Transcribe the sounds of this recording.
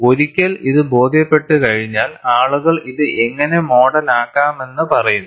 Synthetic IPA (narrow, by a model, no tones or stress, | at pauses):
o̞ɾikʲːɐliðɨbo̞ːd̪ʱjɐpːe̞ʈːɨkɐɻiɲːaːlaːɭuɣɐɭiðɨʔe̞ŋːɐne̞mo̞ːɽɐnaːkːaːme̞nːɨpɐrɐjunː